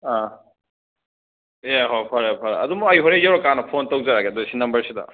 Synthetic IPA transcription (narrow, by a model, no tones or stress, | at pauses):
a | jaɦopʰɐɾapʰɐɾa̰ɐ̰dumuɐjɦoɾejawɾokanɐpʰontɐwzaɾaɡedosinɐmbɐɾsidɐ̰